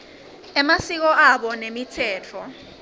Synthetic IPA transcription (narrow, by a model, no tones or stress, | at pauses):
ɛmasik̬ɔʔaɓɔnemitʰɛːt͡fʰɔ